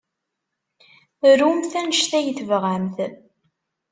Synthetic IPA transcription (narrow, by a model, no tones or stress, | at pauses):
ɾumθænəʃθæjəθəvʁæmθ